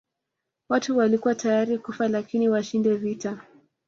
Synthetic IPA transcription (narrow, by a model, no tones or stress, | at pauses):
watuwalikuwatajaɾikufalakiniwaʃindɛvita